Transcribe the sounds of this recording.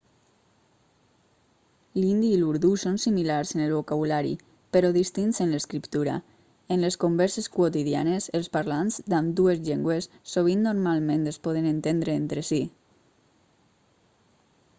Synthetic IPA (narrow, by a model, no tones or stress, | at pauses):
lind̪iːluɾðusonsimilaɾzenelβokaβulaɾḭ | peɾɔðist̪insenleskɾipt̪uɾa̰ | enleskombɛɾseskwot̪iðia̰neselˠspaɾlanzd̪amd̪uezʎeŋɡwesːoβ̞inːoɾmalˠmẽnt̪espɔðenent̪end̪ɾeent̪ɾesi